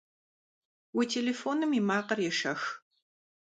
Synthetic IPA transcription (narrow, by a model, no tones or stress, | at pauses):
wiːtʰeːleːfoːnɨmimaːqɐrjɛʃɐx